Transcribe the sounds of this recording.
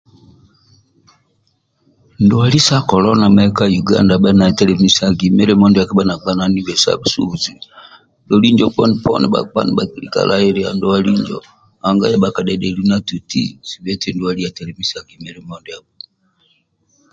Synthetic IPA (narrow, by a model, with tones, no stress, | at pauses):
ndɔwa˨li˦sa˦kɔ˨lɔ˦na˨maɛka˦juɡa̰˦nda˨ɓa˦na˨tɛ˦lɛ˨misa˨ɡi˨mɛ˦ɾɛ˦mɔ˦ndɛ˨a˨ka˦ɓa˦na˨ɡ͡ba˦na˨ni˦bɛ˨sa̰bu˨sṵ˦zi˨ | ndɔli˦ɲd͡ʒɔ˦pɔ˦ni˨pɔ̰ni˨ɓa̰˨k͡pa̰˦ni˨ɓa˨ki˦li˦ka̰˨lʔaɛ˦ɾɛa̰˨ndɔ˦wa˦li˦ɲd͡ʒɔ̰ | a˨ŋɡa˦jɛ˦ɓa˨ka˨ɗɛ˨ɗɛ˨lu˦na˦tu˨tḭsi˨βɛ˦tɛ˦ndu˨wa˨li˦a˨tɛ˨lɛ˨mi˦sa˨ɡi˨mɛɾɛ˦mɔnda˨bɔ